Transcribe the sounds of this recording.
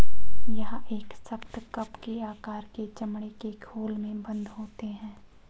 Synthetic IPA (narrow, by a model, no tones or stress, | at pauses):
jɐɦeːksɐkt̪kɐpkeaːkaːɾket͡ʃɐmɽ̃ekekʰoːlmẽbɐ̃nd̪ɦoːt̪eɦɛ̃ː